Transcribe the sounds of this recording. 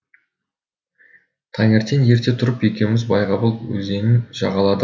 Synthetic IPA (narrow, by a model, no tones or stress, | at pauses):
t̪ʰɑŋeɾt̪enje̞ɾt̪e̞t̪ʰʊɾəpje̞kʲemɪzbɑjʁɑbəlˠwɵ̰ze̞nɪnʒɑʁɑlˠɑd̪ə